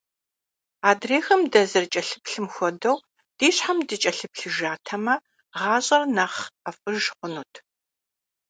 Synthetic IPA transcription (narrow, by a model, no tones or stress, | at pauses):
aːdreːxɐmdɐzɐrt͡ʃʼɐɬɨpɬɨmxʷɔdɐw | d̥iːɕħamdɨt͡ʃʼɐɬɨpɬɨʒaːtʰɐmɐ | ʁɑːɕʼɐrnɐχɐfʼɨʒχʷʊnuːtʰ